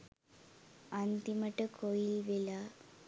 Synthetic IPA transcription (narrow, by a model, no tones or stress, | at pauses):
ɐnd̪imɐʈːɨkʰojilʋila